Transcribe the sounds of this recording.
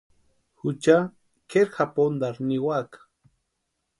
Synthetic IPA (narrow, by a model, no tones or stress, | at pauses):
xut͡ʃa | keɾxapond̪aɾniwakḁ